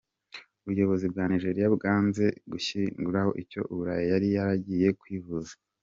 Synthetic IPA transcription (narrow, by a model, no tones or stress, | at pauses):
uβujo̞βo̞zibɡaːniʒe̞ɾijabɡaːnze̞ɡuçiŋɡuɾaho̞̰ʔico̞̰ʔuβuɾajojaɾijaɾaɟije̞kwivuza